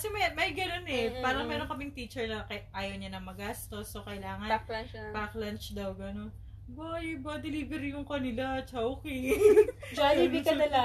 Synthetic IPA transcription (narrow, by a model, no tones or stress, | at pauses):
kɐsɛmɐjmɐjɡɐno̞nɛpaːɾɐŋmɛːɾoŋkɐmɪŋt̪iːt͡ʃɛɹnɐkɐʔaːjɐwɲɐnɐŋmɐɡaːst̪o̞sːokɐjlaːŋɐpaklɐnt͡ʃd̪ɐwɡɐno̞n | bajbɐd̪ɛliːvɛɾijʊŋkɐnɪlat͡ʃawki | d͡ʒaibikɐd̪ɐla